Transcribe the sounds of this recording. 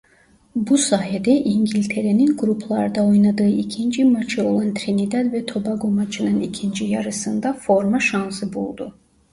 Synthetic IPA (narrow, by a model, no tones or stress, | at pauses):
busaːɦed̪ɛʔiɲɟilʲt̪ʰe̞ɾeninɡɾupʰlˠaɾd̪ao̞jnad̪ɯːʔicʰind͡ʒimat͡ʃʰɯo̞lˠant̪ʰɾinid̪ad̪vɛt̪ʰo̞baɡomat͡ʃʰɯnɯnicʰind͡ʒijɑɾɯsɯnd̪afo̞ɾmaʃansɯbṵlˠd̪u